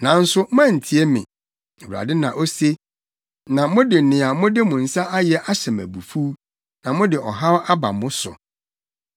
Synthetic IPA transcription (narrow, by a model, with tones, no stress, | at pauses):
nã˨n̩˦sʊ˦m̩˦ã˦˨n̩˨tʰi˦ɛ˦mɪ̰̃˨ | wɾa̰˨dɪ˦nã˨ʔo˦se˦ | nã˨mʊ̃˦dɪ˨nɪ̃˨a˨mʊ̃˦dɪ˦mʊ̃˨n̩˨sa˦ʔa˦jɛ˦ʔa˦ɕɛ˨mæ̰˨bu˨fu˦ | nã˨mʊ̃˦dɪ˨ʔɔ˨ɦa˦wʔa˦ba̰˨mʊ̃˦sʊ̰˨